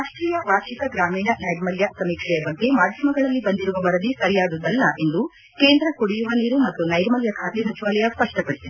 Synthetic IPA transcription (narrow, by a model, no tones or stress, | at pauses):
aːʂʈɾiːjɐʋaːʃik̪ɐɡɾaːmiːnɐnɐjɾmɐljɐsɐmiːkʂɛjɐbɐŋk̪emaːd̪ʱjɐmɐɡɐɭɐlːibɐnd̪iɾuʋɐʋɐɾɐd̪isɐɾijaːd̪ud̪ɐlːɐʔend̪u | keːnd̪ɾɐkoɽijuʋɐniːɾumɐt̪ːunɐjɾmɐljɐkʰaːt̪iɦɐt͡ʃiʋaːlɛjɐspɐʂʈɐpɐɽit̪ii